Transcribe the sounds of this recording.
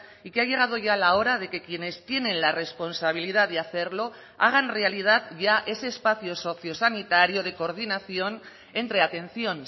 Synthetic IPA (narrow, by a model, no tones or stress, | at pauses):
ikeaʝe̞ɣ̞að̞oʝalao̞ɾað̞e̞ke̞kje̞ne̞st̪je̞ne̞nlare̞spo̞nsaβ̞ilið̞aðeaθe̞ɾlo̞ | a̰ɣ̞anre̞alið̞at̪ʝaʔe̞se̞ːspaθio̞so̞θjo̞sanit̪aɾio̞ð̞e̞koɾð̞inaθio̞n | e̞nt̪ɾe̞at̪e̞nθio̞n